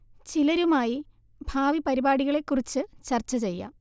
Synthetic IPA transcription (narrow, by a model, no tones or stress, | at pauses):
t͡ɕilɐɾumaːji | bʱaːʋipɐɾibaːɽiɣɐɭe̞kːurit͡ɕːɨt͡ɕɐrt͡ɕːɐt͡ɕe̞jːɐ̰